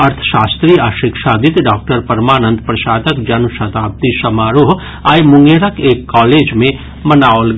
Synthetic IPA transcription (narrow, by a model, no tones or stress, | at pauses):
ɐɾt̪ʰə̥ʃaːst̪ɾiːaːʃɪkʃaːd̪ɪt̪ɖaːk̚ʈəɾpɐɾmaːnə̃nd̪pɾɐʃaːd̪əkd͡ʒɐnsɐt̪aːp̚t̪iʃɐmaːɾoɦ | aːjmʊ̃ŋɡeːɾəkeːkːaːleːd͡ʒmẽ | mɐnaːolɡ